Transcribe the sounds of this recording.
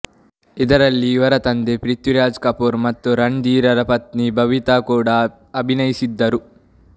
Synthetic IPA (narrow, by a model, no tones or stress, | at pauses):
id̪ɐɾɐlːiːʋɐɾɐt̪ɐnd̪epɾit̪juɾaːd͡ʒkɐpuːɾmɐt̪ːuɾɐɳɖiːɾɐɾɐpɐt̪nibʱɐʋit̪aːkuːɽaː | ɐbʱinɐjisid̪ːɐɾu